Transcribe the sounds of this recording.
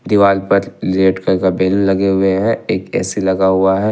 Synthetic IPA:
d̪iʋaːlpɐɾleːʈkɐɾkabɛːlulɐɡeɦʊeɦɛ̃eːkɛ̰ːselɐɡaɦʊaɦɛ

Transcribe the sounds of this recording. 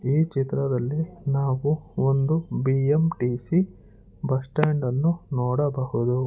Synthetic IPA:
iːt͡ʃit̪ɾɐd̪ɐlːinaːʋuond̪ubiːemʈiːsi | bɐsʈaːɳɖɐnːunɔːɽɐbɐhud̪u

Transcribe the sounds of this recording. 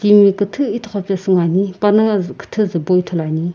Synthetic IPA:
kimwikət̪ʰəit̪ʰoχapasəŋaɲiparnakə̥t̪ʰəzəboit̪ʰolaɲi

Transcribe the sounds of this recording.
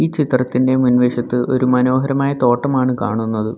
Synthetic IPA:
iːt͡ɕit̪rɐt̪ːinde̞munʋeːɕɐt̪ːɨʔo̞̰ɾumɐno̞ːɦɐɾɐmaːjɐt̪o̞ːʈːɐmaːɳɨka̰ːɳunːɐðɨ

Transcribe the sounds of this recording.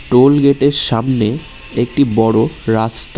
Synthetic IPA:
ʈolɡeʈeɾʃamne | ek̚ʈibɔɽoɾast̪

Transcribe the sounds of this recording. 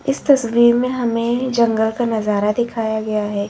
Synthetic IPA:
ɪst̪ɐswiːɾmẽɦɐmẽd͡ʒɐ̃ŋɡəlkanɐzaːɾad̪ɪkʰaːjaɡɐjaɦɛː

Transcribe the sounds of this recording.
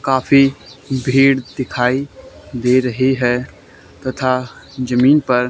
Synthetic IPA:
kaːfibʱiːɽd̪ɪkʰaːid̪eːɾɐɦeɦɛː | t̪ɐt̪ʰad͡ʒɐmiːnpɐɾ

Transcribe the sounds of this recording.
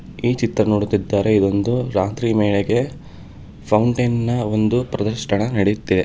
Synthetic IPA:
iːt͡ʃit̪ɾɐnoːɽut̪id̪ːaːɾe̞id̪o̞nd̪uɾaːt̪ɾimeːɭeɡe̞ | pʰɐwuɳʈɐjnnɐo̞nd̪upɾɐd̪ɐɾʃʈɐɳɐnɐɽejut̪ːid̪e

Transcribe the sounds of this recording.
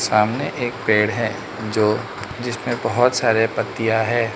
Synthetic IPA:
saːmneʔeːk̚peːɽɦɛ̃ | d͡ʒoː | d͡ʒɪsmẽbɐɦʊt̪saːɾepɐt̪ːijaɦɛː

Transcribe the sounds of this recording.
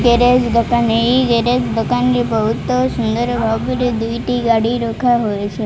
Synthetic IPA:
ɡeɾed͡ʒd̪okaneiɡeɾed͡ʒd̪okanɾipəɦut̪ːosʊnd̪əɾbʱaʋbəɾed̪ujʈ̪iɡaɽiɾokʰaɦojt͡ʃʰe

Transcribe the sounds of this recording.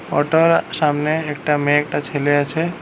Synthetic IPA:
ɔ̰ʈoɾʃamneek̚ʈamẽek̚ʈat͡ɕʰeleat͡ɕʰe

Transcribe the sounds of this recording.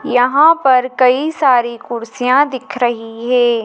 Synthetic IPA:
jɐɦãpɐɾkɐisaːɾikʊɾsijãd̪ɪkʰɾɐɦiɦɛː

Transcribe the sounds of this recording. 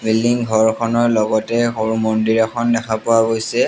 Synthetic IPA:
biliŋɡʱɔɹkʰɔnɔɹlɔɡɔtɛxoɹumɔndiɹɛkʰɔndɛxapʊwaɡojsɛ

